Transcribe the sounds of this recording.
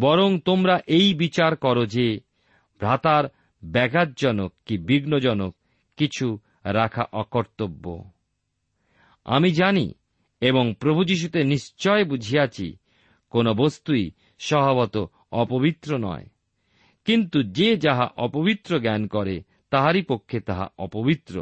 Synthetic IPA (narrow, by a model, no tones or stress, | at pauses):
bɔɾoŋt̪omɾaʔejbit͡ɕaɾkɔɾod͡ʑe | bʱɾat̪aɾ | bɛɡʱat̪̚d͡ʑɔnokːibiɡnod͡ʑɔnokː | it͡ɕʰu | ɾakʰa̰ʔɔkoɾt̪obːo̰ | a̰mid͡ʑanḭ | eboŋpɾobʱud͡ʑiʃ̬ut̪eniʃt͡ɕɔebud͡ʑʱijat͡ɕʰḭ | konobost̪ui | ʃɔbʱaβɔt̪o | ɔpobit̪ːɾonɔ̰e | kint̪ud͡ʑed͡ʑaɦa̰ʔɔpobit̪ːɾoɡɛnkɔɾe | t̪aɦaɾipokʰːet̪aɦa̰ʔɔpobit̪ːɾo̰